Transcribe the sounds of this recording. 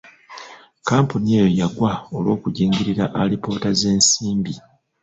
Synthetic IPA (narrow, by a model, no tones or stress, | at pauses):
kaːmpunie̞ːjojaɡwaolwo̞ːkuɟiːŋɡiɾiɾaʔalipo̞ːtaze̞ːnsiːmbi